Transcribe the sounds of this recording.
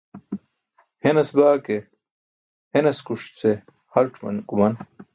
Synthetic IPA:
henɐsbaːke | henɐskuʂt͡se | hɐlʈ͡ʂmɐ̰nkumɐn

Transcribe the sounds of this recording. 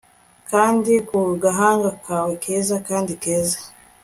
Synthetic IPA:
kaːndikuɡaɦaːŋɡakʰaːwekʰeːzakaːndikeːza

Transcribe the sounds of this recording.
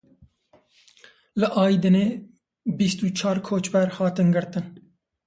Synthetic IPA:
ləʔɑːid̪ɨneː | bist̪ut͡ʃʰɑːɾkʰoːt͡ʃbɛɾhɑːt̪ɨnɡɨɾt̪ɨn

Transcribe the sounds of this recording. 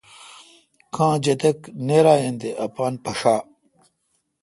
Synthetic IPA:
kʰãːd͡ʑɐt̪ɐkneːɾaːjẽnd̪eʔɐpaːnpɐʂaː

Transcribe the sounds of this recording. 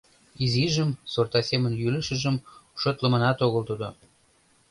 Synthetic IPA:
iziʒəmsort̪ɑsemənjylə̆ʃə̆ʒəmʃŏt̪lə̆mə̆nɑt̪oɣəlt̪ud̪o̰

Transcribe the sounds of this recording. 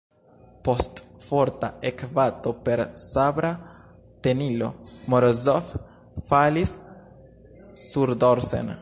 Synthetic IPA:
post̪foɾt̪a̰ekvat̪opeɾsabɾa | t̪enilo̞̰moɾozof | falis | uɾd̪oɾsḛn

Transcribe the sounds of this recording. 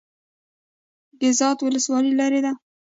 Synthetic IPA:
ɡɪzɑt̪wʊləswɑlilɑɾed̪a

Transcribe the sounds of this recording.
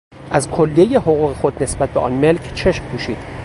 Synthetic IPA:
ʔæzkʰolːiejehoɣuːɣexo̞d̪ne̞sbæt̪̚beʔɒ̰ːnme̞lcʰt͡ʃʰe̞ʃmpʰuːʃiːd̪̥

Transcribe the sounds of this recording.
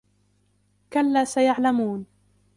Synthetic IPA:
kalːaːsajaʕlamuːn

